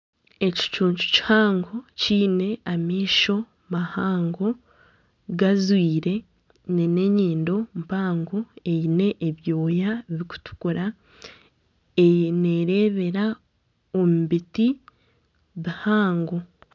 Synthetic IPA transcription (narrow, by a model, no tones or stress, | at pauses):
e̞ci̥t͡ʃuːɲt͡ʃu̥ci̥haːŋɡo̞ciːne̞amiːʃo̞ | mahaːŋɡo̞ | ɡazwiːɾe̞ | nine̞ɲiːndo̞mpaːŋɡo̞e̞jine̞ʔːβjo̞ːjaβiku̥tu̥kuɾa | ene̞ɾe̞ːβe̞ɾa | omuβiti | βihaːŋɡo̞